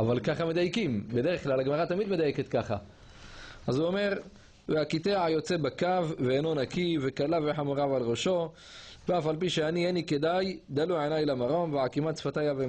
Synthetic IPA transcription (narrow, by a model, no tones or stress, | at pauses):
avalkaχamed̪ajkimbed̪eʁeχklalaɡmaʁat̪amid̪me̞d̪ajeket̪kaχa | ʔazuome̞ʁ | veakit̪eʕajo̞t͡sebakavːeeno̞nakivekalaveħamuʁavalʁoʃo̞ | veafalp̬iʃeanienike̞d̪ajd̪alujʕenajlamaʁo̞mveʕakimat͡sfat̪ajave